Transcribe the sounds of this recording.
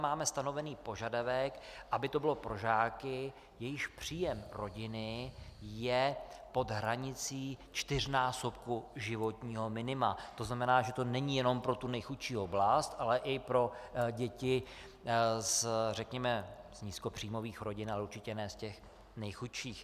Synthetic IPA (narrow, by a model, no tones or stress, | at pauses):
maːmɛst̪ano̞vɛniːpo̞ʒadavɛkʔabɪt̪o̞bɪlo̞pɾo̞ʒaːkɪ | jɛjɪxpr̝̥iːjɛmɾo̞ɟɪnɪjɛpo̞d̪ɦɾaɲɪt͡siːt͡ʃt̪ɪr̝naːsop̚kuʒɪvo̞t̪ɲiːɦo̞mɪnɪmat̪o̞znamɛnaːʒɛt̪o̞nɛɲijɛno̞mpɾo̞t̪unɛjxut̪ʃiːo̞blast̪ʔalɛʔɪpɾo̞ɟɛcɪ | zrɛkɲɛmɛzɲisko̞pr̝̥iːmo̞viːxɾo̞ɟɪnalɛuɾt͡ʃɪcɛnɛːscɛx | nɛjxut̪ʃiːx